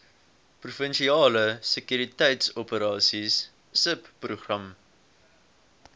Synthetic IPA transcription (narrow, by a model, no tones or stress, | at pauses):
prufənʃiɑːləsəkjyɾitɛjtsɔpəɾɑːsisː | əpːruχrɐm